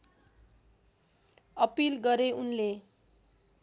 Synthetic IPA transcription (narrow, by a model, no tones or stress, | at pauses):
ʌpilɡʌɾeunle